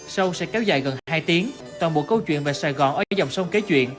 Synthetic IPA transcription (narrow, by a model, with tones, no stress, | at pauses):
sə˧wsɛ̰˧˥kɛ˨˦wza̰ː˧˨jɣə˨˩nhaː˧jt̪i˨˦əŋ | t̪waː˨˩nɓo̰˧˨kə˧wt͡ɕwḭ˧˨ənve˨˩saː˨˩jɣɔ̰˨˧˩nʔəː˧˩˧zɔ˨˩wŋ͡msə˧wŋ͡mke˨˦t͡ɕwḭ˧˨ənʔ